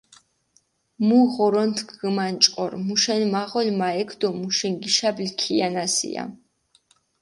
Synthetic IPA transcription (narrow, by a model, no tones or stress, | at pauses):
muʁɔɾɔnt̪ʰɡɡəmant͡ʃʼqʼɔɾmuʃɛnmaʁɔlmaɛkʰd̪ɔmuʃɛnɡiʃablkʰianasḭa̰